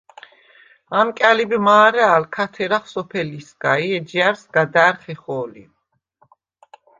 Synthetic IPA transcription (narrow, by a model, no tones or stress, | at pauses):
amkʼalibimaːɾɛːlkʰat̪ʰɛɾaχsɔpʰɛlisɡaiɛd͡ʒiaɾsɡad̪aːɾχɛχɔːlḭ